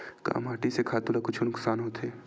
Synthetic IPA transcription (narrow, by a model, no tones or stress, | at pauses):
ka̰ɐ̰maːʈisekʰaːt̪ulakʊt͡ʃʰonʊksaːnɦoːt̪eː